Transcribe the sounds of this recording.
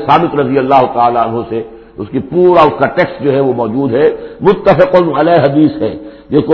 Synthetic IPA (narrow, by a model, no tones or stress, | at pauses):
saːmɪt̪ɾɐzɪjɐlːaːɦʊt̪aaːlaɐnɦõse | ʊskipuːɾaʊskaʈeːksʈ̚d͡ʒoːɦɛʋomɔːd͡ʒuːd̪ɦɛmʊt̪ːəfɪqʊnɐlaːɦɐd̪iːsɦɛːd͡ʒɪko